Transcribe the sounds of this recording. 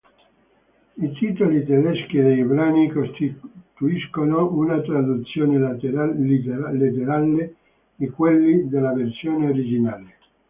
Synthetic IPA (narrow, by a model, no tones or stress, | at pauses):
it̪iːt̪olit̪ed̪ɛsk̟id̪ejbɾaːnikost̪it̪uiskonounat̪ɾad̪ut̪sːjoːne | ilit̪eɾale | d̪ikwelːid̪elːaversjoːneoɾid͡ʒinaːle